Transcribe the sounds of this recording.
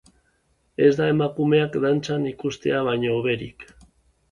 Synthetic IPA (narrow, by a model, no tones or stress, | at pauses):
e̞zd̪ae̞makume̞akd̪ant͡sanikust̪e̞̰aβ̞aɲoːβe̞ɾik